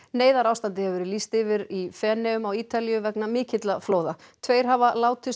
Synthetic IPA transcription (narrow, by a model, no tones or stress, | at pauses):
neːjðaɾaːwst̪ant̪̬ɪhɛvvɛɾɪlist̪ɪvɪɾifɛːnɛʏmawiːt̪aliʏvɛknamɪːcɪt̪lafloːwðat̪ʰveːjɾ̥ɦavalaːwt̪ʰɪs